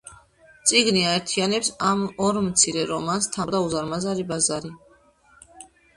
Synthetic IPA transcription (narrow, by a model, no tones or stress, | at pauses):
t̪sʼiɡniaɛɾt̪ʰianɛpsamɔɾmt̪sʰiɾɛɾɔmanst̪ʰad̪auzaɾmazaɾibazaɾi